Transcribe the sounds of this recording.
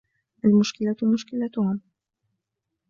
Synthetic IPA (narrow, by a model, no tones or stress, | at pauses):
ʔalmʊʃkɪlamʊʃkɪlat̪ʊhʊm